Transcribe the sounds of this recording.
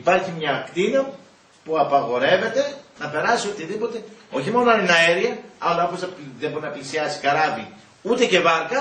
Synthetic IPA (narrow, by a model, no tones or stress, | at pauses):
ipɐɾçimɲɐːkt̪inɐ | puɐpɐɣo̞ɾe̞ve̞t̪e̞nɐpe̞ɾɐsio̞t̪iðipo̞t̪e̞o̞çimo̞noɐninɐeɾiɐɐlfozɐðebo̞ɾinɐplisiɐsi̥kɐɾɐvi | ut̪e̞ce̞vɐɾkɐ